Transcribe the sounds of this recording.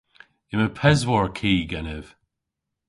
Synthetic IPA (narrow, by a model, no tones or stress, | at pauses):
ɪməpʰɛzwɔɹkʰiːɡɛnɪv̥